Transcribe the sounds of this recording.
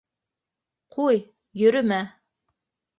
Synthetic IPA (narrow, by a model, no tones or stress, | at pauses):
qʰuj | jɵ̆ɾɵmæ